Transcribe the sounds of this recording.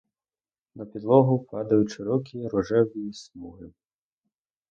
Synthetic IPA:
nɐpʲid̪lˠɔɦʊpɑd̪ɐjʊʃeɾɔkʲiɾɔʒɛwʲismuɦɪ

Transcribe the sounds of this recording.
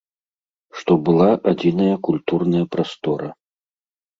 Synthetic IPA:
ʂt̪ɔbɨlˠaʔad͡zʲinɐjɐkulʲt̪urnɐjɐpɾast̪ɔɾɐ

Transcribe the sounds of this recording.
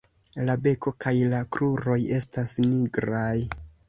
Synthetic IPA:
labe̞ko̞kajlakɾuɾo̞je̞stasniɡɾaj

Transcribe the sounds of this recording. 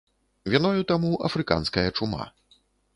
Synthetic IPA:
vʲinɔjut̪amuʔɐfɾɨka̰nskɐjɐt͡ʂuma̰

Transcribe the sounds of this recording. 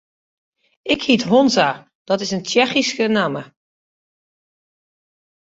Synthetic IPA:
ɪkhitɦonza | d̥ɔtɪsənt͡ʃɛxiskənaːmə

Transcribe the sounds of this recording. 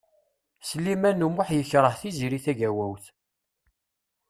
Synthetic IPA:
səlːimænumʊħjəçɾˤəhθiziɾiθæʝæwæwθ

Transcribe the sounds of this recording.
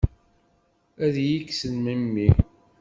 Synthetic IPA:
æðjiksənməmːi

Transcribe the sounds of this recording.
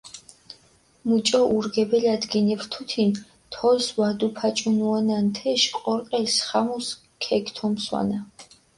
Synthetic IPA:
mut͡ʃʼɔʔuɾɡɛbɛlad̪ɡinivɾt̪ʰut̪ʰin | t̪ʰɔlswad̪upʰat͡ʃʼunuanant̪ʰɛʃqʼɔɾqʼɛlsχamus | kʰɛkʰt̪ʰɔmswa̰na

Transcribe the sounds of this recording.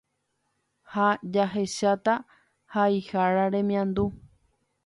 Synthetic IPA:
had͡ʒaɦeʃat̪a | haihaɾaɾẽ̞mĩãnd̪u

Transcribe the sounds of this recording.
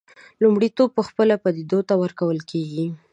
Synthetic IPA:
lumɽit̪ob̚pəxpəlapad̪id̪ot̪awəɾkawəlkeɡi

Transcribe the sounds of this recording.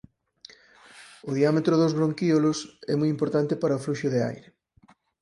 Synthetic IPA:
ʊðiamet̪ɾʊðozβɾoŋkiolosɛmujimpoɾt̪ant̪ɪpaɾɐofluʃʊðea̰jɾe

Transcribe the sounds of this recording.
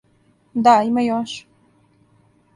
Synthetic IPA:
d̪aimajoʃ

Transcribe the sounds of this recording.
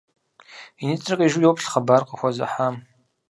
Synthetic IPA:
init͡sʼrɐqʼiʒujowpɬχɐbaːrqəxʷɔzɐ̰ħaːm

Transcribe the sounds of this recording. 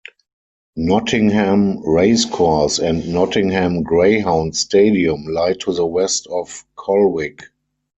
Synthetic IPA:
nɔtʰɪ̃ŋhɛ̃mɹeɪskʰɔsɛ̃ntnɔtɪ̃ŋhɛ̃mɡɹeɪɦãʊ̃nsteɪdiə̃mlaɪtʰuðəwɛstɔfkʰɔlwɪk

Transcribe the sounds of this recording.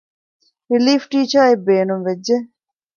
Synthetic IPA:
ɾiliːfʈiːt͡ʃɐebeːnumʋed͡ʒːe

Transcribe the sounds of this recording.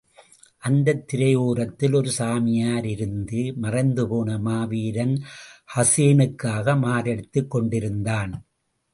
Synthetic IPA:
ʔɐnd̪ɐt̪ːɪɾɐjuːɾɐt̪ːɪlɔɾɯsaːmɪjaːɾɪɾɯnd̪ɯmɐrɐɪnd̪ɯpoːnɐmaːʋiːɾɐnhɐseːnɯkːaːɣɐmaːɾɛɽɯt̪ːɯkːɔɳɖɪɾɯnd̪aːn

